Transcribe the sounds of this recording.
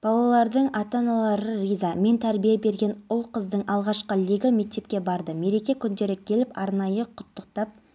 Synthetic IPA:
b̥ɑlˠɑlˠɑɾd̪əɴɑt̪ɑnɑlˠɑɾərijzame̞nt̪ʰæɾbijebe̞ɾɡʲe̞nʊlˠqəzd̪əɴʔɑlˠʁɑʃqəlʲiɡame̞k̚t̪e̞p̚kʲe̞bɑɾd̪əme̞ɾe̞kʲe̞kʲʰʏnd̪e̞ɾɪkʲʰe̞lɪpɑɾnɑjəqʰʊ̥t̪ːəq̚t̪ɑp̚

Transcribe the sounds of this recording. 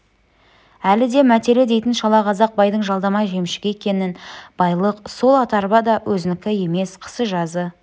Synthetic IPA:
ælɪd̪e̞mæt̪e̞ɾed̪e̞jt̪ɪnʃɑlˠɑqʰɑzɑq̚bɑjd̪əɴʒɑlˠd̪ɑmɑʒe̞mʃɪ̥ɡʲeekʲe̞nɪnb̥ɑjlˠəqso̞lˠɑt̪ɑɾbɑd̪ɑwʔɵzɪnɪkʲɪje̞me̞sqʰə̥səʒɑzə

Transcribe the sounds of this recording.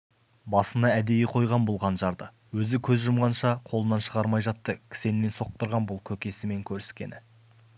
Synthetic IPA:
bɑsənɑæd̪e̞jɪqʰo̞jʁɑnbolˠʁɑnʒɑɾd̪ə | wɵzɪkʲʰɵzʒəmʁɑnʃɑqʰolˠənɑnʃəʁɑɾmɑjʒɑt̪ːəkʲʰɪ̥se̞nɪme̞nso̞q̚t̪əɾʁɑnbʊlˠkʲʰɵkʲe̞sɪme̞ŋkʲʰɵɾɪskʲe̞̰nɪ

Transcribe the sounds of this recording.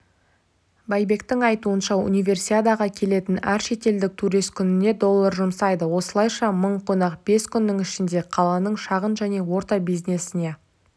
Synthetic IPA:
bɑjbe̞kt̪ɪŋɑjt̪uənʃɑṵnijvʲe̞rsiad̪ɑʁɑkʲʰe̞le̞t̪ɪnæɾʃe̞t̪e̞ld̪ɪk̚t̪ʰuɾijst̪̚kʲʰʏnɪne̞d̪o̞lˠːɑɾʒʊmsɑjd̪əwo̞səlˠɑjʃɑməɴqʰonɑqb̥e̞skʲʰʏnːɪŋɪʃɪnd̪e̞qʰɑlˠɑnəɴʃɑʁənʒæne̞wo̞ɾt̪ɑbijznesɪne̞

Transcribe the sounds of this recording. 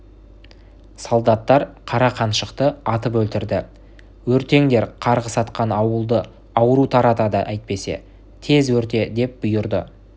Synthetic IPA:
solˠd̪ɑt̪ːɑɾqʰɑɾɑqʰɑnʃəqt̪əɑt̪əpwɵlt̪ɪɾd̪ɪ | wɵɾt̪e̞ŋd̪e̞ɾqʰɑɾʁəsɑt̪qɑnɑwəlˠd̪ə | ɑwəɾut̪ʰɑɾɑt̪ɑd̪ə̰ʔæjt̪̚pe̞se̞̰ | t̪ʰe̞zwɵɾt̪e̞d̪e̞p̚bʊjʊɾd̪ə

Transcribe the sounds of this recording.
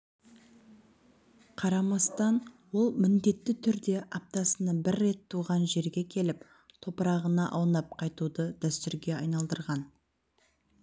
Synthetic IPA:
qʰɑɾɑmɑst̪ɑn | wo̞lˠmɪnd̪e̞t̪ːɪt̪ʰʏɾd̪e̞ʔɑp̚t̪ɑsənəbɪrːe̞t̪ʰːuʁɑnʒe̞ɾɡʲe̞kʲʰe̞lɪp | t̪ʰo̞pəɾɑʁənɑʔɑwnɑp̚qʰɑjt̪ud̪əd̪æst̪ʏɾɡʲe̞ɑjnɑlˠd̪əɾʁɑn

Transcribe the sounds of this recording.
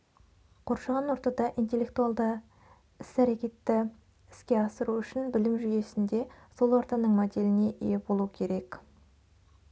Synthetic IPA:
qʰo̞ɾʃɑʁɑnwo̞ɾt̪ɑd̪ɑʔijnt̪e̞lːe̞k̚t̪ualˠd̪ə | ɪsæɾe̞kʲe̞t̪ːɪ | ɪskʲe̞ɑsəɾuʏʃɪnbɪlɪmʒʏje̞sɪnd̪e̞so̞lˠwoɾt̪ɑnəɴmod̪e̞lɪne̞ʔijebolˠukʲʰe̞ɾe̞k

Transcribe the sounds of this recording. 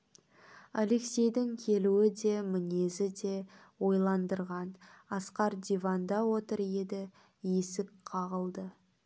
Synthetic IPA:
ale̞ksʲe̞jd̪ɪŋkʲʰe̞luɪd̪e̞mɪne̞zɪd̪e̞ | wo̞jlˠɑnd̪əɾʁɑnɑsqɑɾd̪ivɑnd̪ɑwot̪əɾje̞d̪ɪ | je̞sɪk̚qʰɑʁəlˠd̪ə

